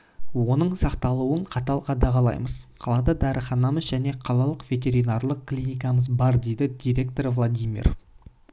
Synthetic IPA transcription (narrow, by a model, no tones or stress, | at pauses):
wo̞nəɴsɑqt̪ɑlˠuəɴqʰɑt̪ɑlˠqʰɑd̪ɑʁɑlˠɑ̰jməz̥qʰɑlˠɑd̪ɑd̪æɾəχɑnɑməzʒæne̞qʰɑlˠɑlˠəqvʲe̞t̪̬ʲe̞ɾinɑrlˠəq̚klʲinijk̬ɑməzbɑɾd̪e̞jd̪ɪd̪ʲijɾʲe̞k̚t̪o̞ɾvlˠad̪ʲijmḭr